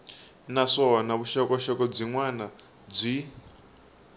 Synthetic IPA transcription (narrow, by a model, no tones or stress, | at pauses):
naʂɔnaβuʃɔkɔʃɔkɔb͡ʐʷiŋwana | d͡zʷi